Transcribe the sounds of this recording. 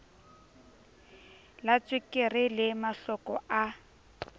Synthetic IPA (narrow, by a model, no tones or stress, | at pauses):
lat͡sʼwɪkʼɪrɪlɪmaɬɔkɔa